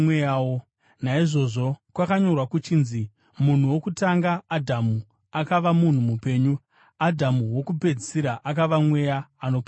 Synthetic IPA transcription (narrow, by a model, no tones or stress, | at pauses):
ejawo | naiʐo̞ʐo̞kwakaɲo̞rwakut͡ʃiːnzi | mun̤uwo̞kutaŋɡaːdʱamu | akaʋamun̤umupe̞ːɲu | adʱamuwo̞kupe̞d͡zisiɾaʔak̬aʋamwe̞jaːno̞pː